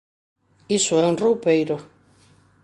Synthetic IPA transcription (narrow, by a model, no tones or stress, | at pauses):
isʊɛuŋrowpejɾʊ